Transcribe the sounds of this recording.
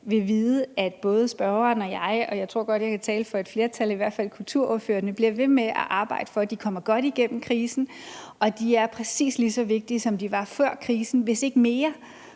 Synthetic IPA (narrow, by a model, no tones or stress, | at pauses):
ʋe̝ʋiːð̩ˠəæd̥b̥ɔ̽ːð̞ˠəsb̥ɶɐɐːnɒ̽jɑ̈ɪɒ̽jɑ̈ɪt͡sʰʁo̝ɐ̰ɡ̥ɒ̽d̥jɑkʰæt͡sʰɛːləfɒ̽ed̥fle̝ːɐt͡sʰæliʋæɐ̰̥fæl̰kʰult͡sʰuɐ̰ɔɐfø̰ːɐnəb̥liɐʋe̝meʔæ̰ʔɑ̈ːb̥ɑ̈ɪ̰d̥ə̥fɒ̽æd̥ikʰɒ̽m̰ɐɡ̥ɒ̽ɾ̥iɡ̥en̰m̩kʰʁiːsn̩ | ʔɒ̽d̥iæɐpʰʁɛsḭːslisɒ̽ʋe̝ɡ̥̚d̥isɒ̽md̥iʋɑ̈fɶɐ̰kʰʁiːsn̩ʋe̝se̝ɡ̥əme̝ːɐ